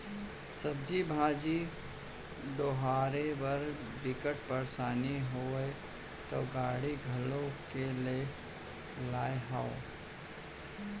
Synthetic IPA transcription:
səb̚d͡ʒibʱaːd͡ʒi | ɖoːɦaːɾebəɾ | ɖɪkəʈpəɾsaːniɦoe | t̪o̰ːɡaːɽiɡʱɐlõkele | laːeɦaːo

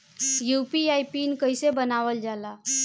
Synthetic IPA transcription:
jupiajpinkəjsebənaʋəld͡ʒala

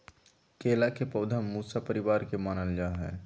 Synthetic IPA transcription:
keːlakepɔːd̪ʱamuːsapəɾɪbaːɾkemaːnəld͡ʒaːɦɛ̰ː

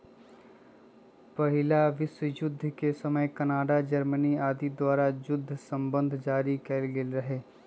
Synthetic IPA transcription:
pɐɦɪlaʋɪswəjʊd̪ʱːkesɐməjkɐnaːɖad͡ʒɐɾməniaːd̪id̪waːɾajʊd̪ʱːsə̃mbə̃nd̪ʱd͡ʒaːɾikɛlɡelɾɐɦeː

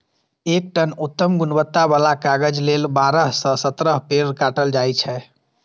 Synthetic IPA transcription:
ek̚ʈənut̪ːəmɡunbət̪ːabalakaɡəd͡ʒlelbaɾəɦsə̃sət̪ɾəɦpeɾkaʈəld͡ʒajt͡ʃʰɛ

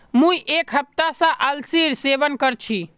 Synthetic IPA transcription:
mũjʔekɦəp̚t̪asə̃ʔəlsiɾseʋənkəɾt͡ʃʰi

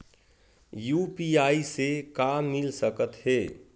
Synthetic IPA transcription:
juːpiːaːisekaːmːɪlsəkət̪ɦeː

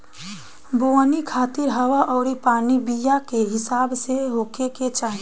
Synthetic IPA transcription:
bonikʰaːt̪ɪɾɦəwaʔɔːɾipaːnibijakeɦɪsaːbseɦoːkeket͡ʃaːɦi

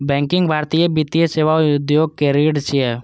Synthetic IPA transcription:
bɛ̃ːŋkɪ̃ŋɡbʱaːɾt̪ijəbit̪ijəseːʋaʊd̪joːɡ̚keɾeːɖt͡ʃiɛ

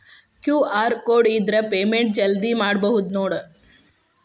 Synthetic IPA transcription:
kjuːaːɾkoːɖid̪ɾɐpeːmeɳʈ̚d͡ʒɐld̪imaːɽbɐɦud̪noːɽ

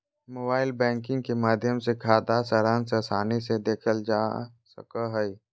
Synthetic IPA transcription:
moːbaːɪlbɛ̃ːŋkɪ̃ŋɡkemaːd̪ʱjəmsekʰaːd̪asəɾaːnsesaːnised̪eːkʰəld͡ʒa | sə̰kaɦəi

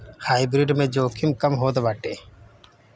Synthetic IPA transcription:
haːibɾiɖmẽːd͡ʒoːkʰimkɐmɦoːd̪ebaːʈeː

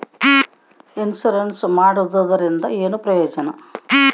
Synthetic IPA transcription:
insuɾensmaːɽud̪ɐd̪ɐɾind̪ɐeːnupɾɐjoːd͡ʒɐnɐ

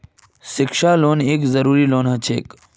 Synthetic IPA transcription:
sɪkʃaːloːneːkzɐɾuːɾiːloːnɦɐt͡ʃʰeːk

